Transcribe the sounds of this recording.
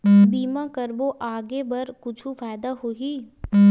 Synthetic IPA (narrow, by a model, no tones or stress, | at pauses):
biːmãkɐɾboʔaːɡebɐɾkʊt͡ʃʰũfaːɪd̪aɦoːɦiː